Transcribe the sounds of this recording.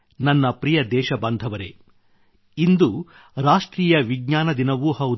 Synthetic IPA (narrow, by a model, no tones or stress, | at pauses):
nɐnːɐpɾijɐd̪ɛːʃɐbɐnd̪ʱɐʋɐɾḛ | ind̪u | ɾaːʂʈɾiːjɐʋiɡɲaːnɐd̪inɐʋuhɐwud̪